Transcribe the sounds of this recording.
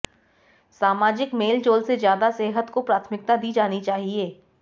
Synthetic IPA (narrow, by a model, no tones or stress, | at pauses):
saːmaːd͡ʒɪkmeːld͡ʒoːlsezjaːd̪aseːɦət̪kopɾaːt̪ʰmɪk̚t̪ad̪iːd͡ʒaːnit͡ʃaːɦieː